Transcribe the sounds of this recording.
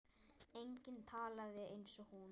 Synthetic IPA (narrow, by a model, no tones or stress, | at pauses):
ejɲcɪnt̪ʰaːlaðɪejnsɔhun